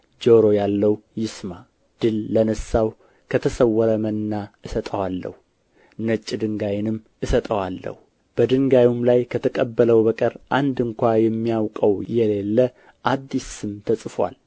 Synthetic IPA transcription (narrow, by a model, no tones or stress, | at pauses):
d͡ʒoɾo̞jalːəwjɪsma | d̪̥ɨlːənəsːaw | kʰət̪ʰəsəwːəɾəmənːaɨsət̪ʼəwalːə̰hu | nət͡ʃʼːid̪ɨŋɡajɪnɨm | ɨsət̪ʼəwalːə̰hu | b̥əd̪ɨŋɡajumlajkʰət̪ʰəkʼəbːələwbəkʼəɾʔand̪ɨŋkʷajɛmːijawkʼəwjɛle̞lːə | ʔad̪ːisɨmt̪ʰəsʼɨfwa̰l